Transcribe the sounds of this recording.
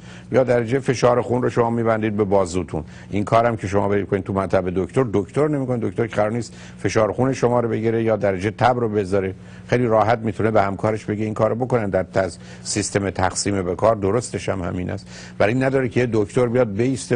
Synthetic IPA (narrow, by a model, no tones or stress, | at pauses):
jɒːd̪æɾæd͡ʒefe̞ʃɒːɾexunroʃomɒːmiːbænd̪iːd̪̚be̞bɒːzuːt̪ʰṵn | ʔinkʰɒːɾæmcʰe̞ʃomɒːbeikʰoniːt̪ʰumænt̪ʰæbe̞d̪okt̪o̞ɾd̪okt̪o̞ɾnemiːko̞nid̪okt̪o̞ɾkʰeɣæɾɒːɾniːst̪ | fe̞ʃɒːɾexuneʃo̞mɒːɾobe̞ɟiɾejɒːd̪æɾæd͡ʒet̪ʰæbɾobe̞zɒːɾe | xejliːɾɒːɦæt̪̚miːt̪ʰunebehæmkʰɒːɾeʃbe̞ɟe̞iŋkʰɒːɾobo̞ko̞nænd̪æɾt̪ʰæ | sist̪e̞met̪ʰæxsiːmebekʰɒːɾd̪oɾost̪e̞ʃhæmhæ̰miːnʔæ̰st̪ | bæɾinːæd̪ɒːɾekʰejed̪okt̪oɾbijɒːd̪̚beiːst̪e